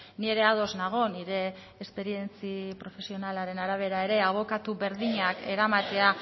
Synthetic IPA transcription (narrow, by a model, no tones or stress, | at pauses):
nie̞ɾe̞aðo̞znaɣ̞o̞niɾe̞ː | spe̞ɾie̞nt͡sipɾo̞fe̞sio̞nalaɾe̞naɾaβ̞e̞ɾae̞ɾe̞aβ̞o̞kat̪uβe̞ɾðiɲake̞ɾamat̪e̞a